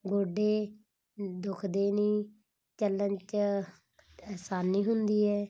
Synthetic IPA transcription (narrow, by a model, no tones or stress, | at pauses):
ɡoːɖeː | d̪ʊkʰd̪eːniː | t͡ʃəlːənt͡ʃ | ɛːsaːnːiːɦʊnd̪iːɛː